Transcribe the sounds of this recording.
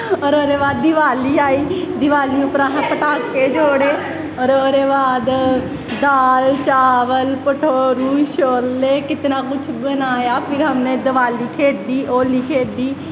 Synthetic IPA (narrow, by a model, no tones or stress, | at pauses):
ɔːɾəɾeːʋaːd̪̚dːɪʋaːliːaːiː | d̪ɪʋaːliːʊpɾãːɦãːpəʈaːkːeːd͡ʒoːɽeː | ɔːɾoɾeːʋaːd̪ | d̪aːlt͡ʃaːʋəlpəʈʰoːɾuːʃoːɾːeːkɪt̪nãːkʊt͡ʃʰbənaːjaːpʰɪɾɦəmneːd̪əʋaːliːkʰeːd̪iːʔoːliːkʰeːd̪iː